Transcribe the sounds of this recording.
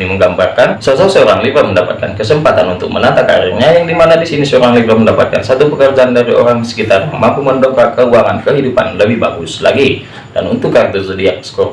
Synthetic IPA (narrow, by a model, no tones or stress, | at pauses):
iməŋɡambarkansosɔsəoɾaŋlibɾəməndapat̪̚kankəsəmpat̪anunt̪ʊk̚mənant̪aka̰ɾirɲajaŋdimanadisinisəoɾaŋlibɾəməndapat̪̚kansat̪upəkərd͡ʒaandaɾiʔoɾaŋsə̥kit̪arɲa̰mampuməndokakəuaŋankəɦidupa̰nləbɪhbaɡuslaɡi | d̥a̰nṵnt̪ʊkːak̚t̪ərsədiaʔ̚sə̥ko